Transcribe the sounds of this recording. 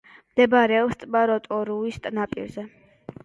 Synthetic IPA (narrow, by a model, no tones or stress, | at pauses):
md̪ɛbaɾɛɔlst̪sʼbaɾɔt̪ʼɔɾuist̪ʼnapʼḭɾzɛ